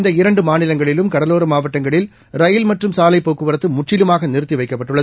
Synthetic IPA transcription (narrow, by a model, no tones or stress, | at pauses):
nd̪ɐɪɾɐɳɖɯmaːnɪlɐŋɡɐɭɪlɯmkɐɽɐloːɾɯmaːʋɐʈːɐŋɡɐɭɪl | ɾɐjɪlmɐʈrɯmsaːlɐɪpːoːkːɯʋɐɾɐt̪ːɯmʊʈt͡ʃɪlɯmaːɣɐnɪɾɯt̪ːiʋɐɪkːɐpːɐʈːɯɭːɐð